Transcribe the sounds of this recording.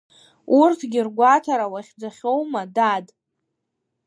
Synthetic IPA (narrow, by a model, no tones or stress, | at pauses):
urtʰɡʲɪrɡʷatʰaɾawaχʲd͡zʷaχʲo̞wmadad